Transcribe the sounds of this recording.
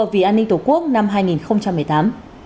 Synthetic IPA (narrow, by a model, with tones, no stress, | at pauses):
ə˨˩vḭ˧˨ʔaː˧nːï˧ŋ̟t̪o˧˩ku˦˥ək̚na˧mɦaː˧jŋi˨˩nxə˧wŋ͡mt͡ɕa˧mːɨ˨˩əjt̪aː˨˦m